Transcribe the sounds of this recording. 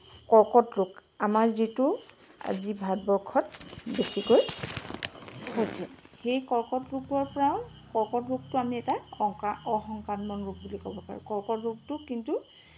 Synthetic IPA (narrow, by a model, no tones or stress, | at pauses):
kɔɹkɔtɹʊkamaɹzitʊ | a̰zibʱadbɔɹkʰɔt̚besikoj | ɦojsɛxejkɔɹkɔtɹukɔɹpɔɹaw̃ | kɔɹkɔtɹuk̚tʊamiɛta | ɔxɔŋkanmɔnɹuk̚bulikɔbɔpa̰ɹṵkɔɹkɔtɹuk̚tʊkintu